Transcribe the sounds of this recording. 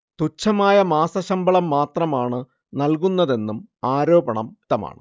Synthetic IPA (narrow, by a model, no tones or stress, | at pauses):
t̪ut͡ɕʰːɐmaːjɐmaːsɐɕɐmbɐɭɐmːaːt̪rɐmaːɳɨ | nɐlk̬unːɐðe̞nːumaːɾo̞ːbɐɳɐmt̪ːɐma̰ːɳɨ